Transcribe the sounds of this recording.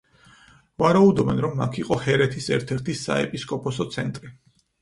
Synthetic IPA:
vaɾaud̪ɔbɛnɾɔmːa̰kʰiqʼɔhɛɾɛt̪ʰisɛɾt̪ʰɛɾt̪ʰisːa̰ɛ̰pʼiskʼɔpʰɔsɔt̪sʰɛnt̪ʼɾi

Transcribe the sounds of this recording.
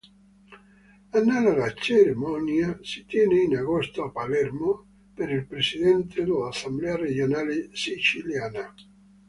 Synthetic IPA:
anːalaðat͡ʃeɾemɔnjasit̪jɛneinaɣost̪oapalɛɾmo | peɾilpɾesiðɛnt̪ʰed̪elaːsamblɛared͡ʒjonalesit͡ʃiljana

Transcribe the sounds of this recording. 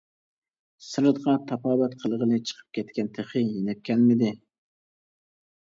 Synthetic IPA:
sɨɾɨd̪ʁɑt̪ʰɑpʰɑːbɛt̪qʰəlˠəʁəlɨt͡ʃʰə̥qʰə̥p̚kʲʰɛt̪kʲʰɛnt̪ʰeχɨjenɛp̚kʲɛnmɪd̪ɪ

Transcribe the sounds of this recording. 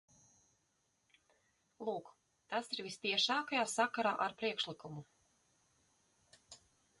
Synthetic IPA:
lˠuːk | t̪asiɾvʲist̪iɛʃaːkajaːsakaɾaːʔaɾpɾiɛkʃlˠikumu

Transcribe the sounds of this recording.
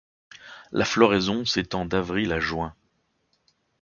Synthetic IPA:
lʔaflɔʁɛzɔ̃set̪ɑ̃d̪avʁilaʒwɛ̃

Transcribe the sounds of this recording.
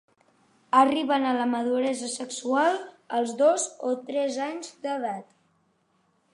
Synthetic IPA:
əriβənələməðuɾɛzəsəksualˠ | əlˠzðozot̪ɾɛzaɲzd̪əðat̪

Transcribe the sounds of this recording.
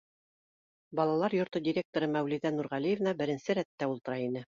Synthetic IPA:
bɑlˠɑlˠɑɾjŏɾt̪ɤdʲiɾʲek̚t̪oɾɤmæwliðænuɾʁælijevnɑbɘ̆ɾɘ̆nsɘɾæt̪ːæulˠt̪ɤ̆ɾɑinɘ

